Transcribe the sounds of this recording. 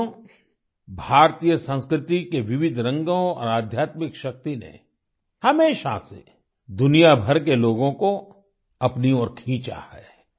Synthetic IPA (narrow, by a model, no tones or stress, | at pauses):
bʱaːɾt̪ijəsə̃nskɾɪt̪ikeʋɪʋɪd̪ʱɾɐ̃ŋɡõɔ̰ːɾaːd̪ʱjaːt̪mɪkʃɐk̚t̪inḛ | hɐmeːʃa̰sḛ | d̪ʊnijabʱɐɾkeloːɡõko | ɐpniɔːɾkʰĩːt͡ʃa̰hɛ̰ː